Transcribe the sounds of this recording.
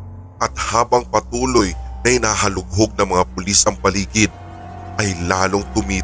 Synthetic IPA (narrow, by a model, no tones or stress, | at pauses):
ʔɐt̪̚haːbɐŋpɐt̪uːlojnɐʔɪnaɦɐlʊɡ̚ɦoɡ̚nɐŋmɐŋapʊlisɐŋpɐliːɡɪd̪̚ | ʔɐjlaːloŋt̪ʊmiː